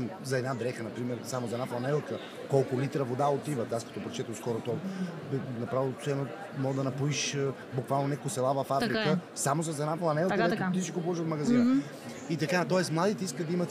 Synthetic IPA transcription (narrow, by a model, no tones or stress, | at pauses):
zɐɛd̪nad̪ɾɛxənɐpɾimɛɾsamʊzɐɛd̪naflˠɐnɛlˠkə | kɔlˠkʊlit̪ɾəvod̪aot̪ivət̪askɐ̥t̪ɔpɾɛt͡ʃɛt̪əmskɔɾʊt̪ɔ | nɐpɾavilˠsɛno | mɔɡd̪ɐnɐpuiʃ | bukvalˠnonɛkʊsɛlˠavɐfafɾikəsamozɐs̬ɛd̪naflˠɐnɛlˠkəd̪ɛtt̪iʃikoplˠɔʃət̪mɐɡɐzinn | it̪ɐkat̪ɔɛsmlˠad̪it̪ɛiskəd̪ɐimɐt̪